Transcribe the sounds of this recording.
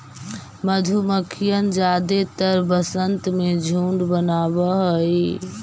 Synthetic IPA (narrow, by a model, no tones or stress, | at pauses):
məd̪ʱuməkʰijənd͡ʒad̪et̪əɾbəsənt̪med͡ʒʱuɳɖbənabəɦoj